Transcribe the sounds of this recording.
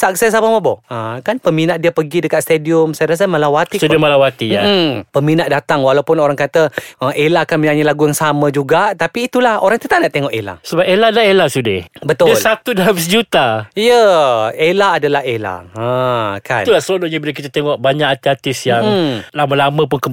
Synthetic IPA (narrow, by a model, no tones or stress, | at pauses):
sak̚sɛsabamabɔəkanpəminaʔdiapəɡidəkat̪̚st̪ediʊmsajaɾas̬amalawat̪isudɪmalawat̪iapəminaʔdat̪aŋwalawpʊnoɾaŋkat̪əəʔelakanmənaɲalaɡujaŋsamãd͡ʒuɡaʔt̪apiːt̪ulaho̰ɾaŋt̪ət̪aʔnaʔt̪eŋɔʔela̰səbap̚eladaelasudɪhbət̪ʊdilsat̪udalabisd͡ʒut̪aijəelaːdalaɦela̰akanulasəloloɲabilak̬it̪at̪eŋɔʔ̚baɲaʔat̪iat̪ɪsjaŋlamə̃lamə̃pʊnkə